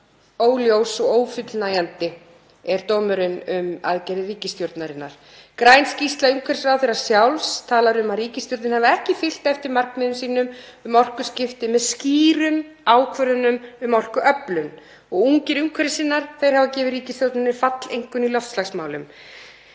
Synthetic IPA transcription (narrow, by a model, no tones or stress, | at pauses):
oːwljowsɔɣoːwfʏt̪lnaːjant̪ɪ | ɛɾt̪ɔːmʏɾʏnʏma̰ðcɛːɾɪriːcɪst̪joɾt̪naɾɪnːa̰ɾ̥ | kɾajnscist̪laʏŋkʰvɛɾsɾawθɛɾḁsjawlst̪ʰaːlaɾʏmaðriːcɪst̪jowɾt̪ɪnhaːvaɛhcɪfɪl̥t̪ɛft̪ɪɾmarknmɪðʏmsiːnʏmʏmɔr̥kʏ̥scɪft̪ɪmɛðsciːɾʏm | aːwkʰvœɾðʏnʏmʏmɔr̥kʏʔœplʏn | ɔɣuŋcɪɾʏŋkʰvɛɾsɪnːaɾ̥θejɾ̥havacɛːvɪɾriːcɪst̪jowɾt̪nɪnɪɾfat̪lejŋkʏnilɔft̪slaxsmaːwlʏ̰m